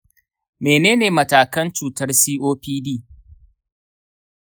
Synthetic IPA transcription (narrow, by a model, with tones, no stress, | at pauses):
meː˨neː˦neː˨mɐ˨taː˨kɐ˦nt͡ʃuː˨tɐ˦rsiː˦ʔoː˦piː˦diː˦˨